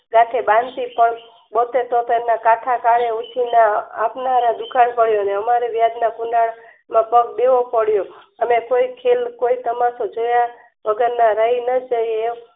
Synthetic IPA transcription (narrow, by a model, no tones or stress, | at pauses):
ɡaʈ̪ʰebãnt̪ipəɳ | bot̪et̪ot̪oenakaʈʰakaɽeut͡ʃʰinaːpnaɾãd̪ukʰanpəɭjoneəmaɾeʋjad̪nakunɖaɭ | mãpəɡ̚deʋopəɽjoəmekoikʰelkoit̪əmasod͡ʒoja | ʋəɡəɾnaɾəɦinəd͡ʒəje